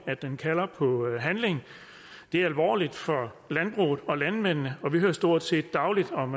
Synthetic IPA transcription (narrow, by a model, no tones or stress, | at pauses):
æ̥enkʰælɐpʰɒ̽ɦænle̝ŋ | d̥e̝æɐælʋɒ̰ːlid̥fɒ̽ | lænb̥ʁṵːð̩ˠɒ̽lænmen̰nəɒ̽ʋihøɐsd̥o̝ɐ̰d̥se̝̰ːd̥ːɑ̈ʊlid̥ɒ̽m